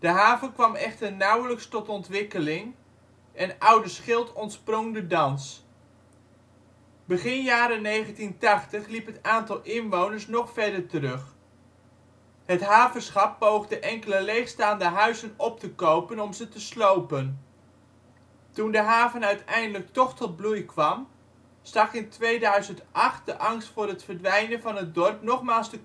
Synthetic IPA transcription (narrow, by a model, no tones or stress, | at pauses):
d̥əɦaːvənkʋɑmɛχtəɹnawləkstɔtɔntʋɪkəlɪŋ | ʔɛnʔʌwdəsχɪlˠtɔntsprɔŋdədɑns | bəχɪnjaːɾənejχəntintɑχtəχlipɦətaːntɑlˠʔɪnʋownəɹsnɔχfɛɹdəɹtəɾɵχ | hətɦaːvərsχɑpːowχdəʔɛŋkələlejχstaːndəɦœɥzənɔp̚təkowpənɔmzətəslowpən | tundəɦaːvənœɥtɛjndələk̚tɔχtɔd̚blujkʋɑm | stɑkɪntʋejdœɥzəntʔɑχt̚dəʔɑŋstfʊːrɦətfərdʋɛjnənvɑnɦət̚dɔrp̚nɔχmaːlˠstə